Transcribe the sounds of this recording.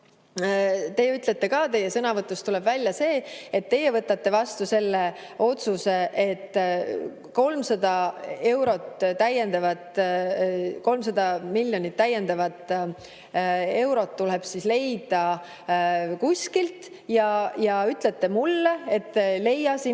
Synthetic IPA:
t̪e̞jeyt̪ˑle̞t̪ːe̞kɑːt̪e̞jesɤnɑvɤt̪ːˑust̪ulɛb̥vælʲjɑse̞ːet̪ːe̞jevɤt̪ːˑɑt̪ːe̞vɑst̪use̞lːe̞o̞t̪suse̞ʔet̪ːˑ | ko̞lmsɑd̪̥ɑe̞wɾo̞t̪t̪ːæje̞nd̪ɑvɑt̪ | ko̞lmsɑd̪ɑmilʲjo̞nit̪ːæjːend̪ɑvɑt̪ːˑ | e̞wɾo̞t̪ːuleb̥sisle̞jd̪̥ɑ | kusʲkilt̪ | jɑjɑyt̪let̪ːˑe̞mulːe̞et̪ːle̞jɑsi

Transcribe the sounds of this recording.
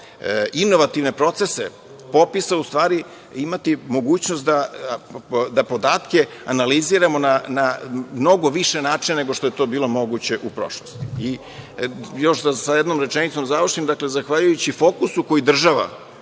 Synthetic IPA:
inːoʋat̪iʋne̞pɾo̞t̪se̞se | po̞pisaust̪ʋaːɾi | imat̪imo̞ɡuːt͡ɕnost̪d̪a | d̪apo̞d̪aːt̪ke̞ | analiziɾamo̞nanamno̞ɡo̞ʋiʃe̞naːt͡ʃinneɡoʃt̪oe̞t̪o̞ːbiːlˠo̞mo̞ɡut͡ɕe̞ʔupɾo̞̰ʃlost̪ii | jo̞ʃd̪asajed̪nomɾe̞t͡ʃenit̪so̞mzaʋr̩ʃimd̪akle̞zaxʋaʎujut͡ɕifo̞kusuko̞jid̪r̩ʒaʋa̰

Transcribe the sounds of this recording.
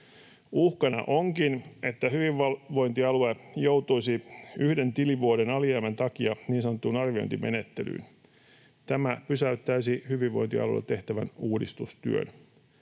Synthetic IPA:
uhkɑnɑ̰ʔoŋkine̞t̪ːæhyʋiʋʋɑʋo̞int̪iɑluejowt̪ujsiyhde̞nt̪iliʋuode̞nɑliæːmænt̪ɑkiɑniːnsɑnot̪ːunɑrʋio̰jnt̪ime̞̰ne̞t̪ːe̞̰ly̰ːn | t̪æmæpysæyt̪ːæisihyʋiʋːo̞̰jnt̪iɑ̰lṵḛt̪e̞ht̪æʋæ̰nuːdist̪ust̪y̰ø̰n

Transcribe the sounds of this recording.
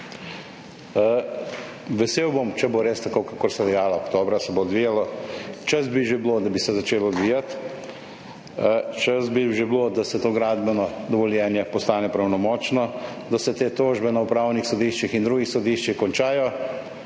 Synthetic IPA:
ʋɛseːwbomt͡ʃɛboɾest̪akokakoɾsɛd̪ɛjaːlaokt̪oːbɾasɛbod̪ʋijalɔt͡ʃazbiʒebloːd̪abisɛzat͡ʃeːlɔd̪ʋiːjat̪ | t͡ʃəzbiʒeblod̪asɛt̪oːɡɾaːd̪bɛnɔd̪ɔʋɔljɛːnjɛpɔst̪aːnɛpɾawnɔmɔːt͡ʃnɔ | d̪asɛt̪eːt̪oːʒbɛnaupɾawnixsɔd̪iːʃt͡ʃixind̪ɾuːɡixsɔd̪iʃt͡ʃixkɔnt͡ʃaːjɔ

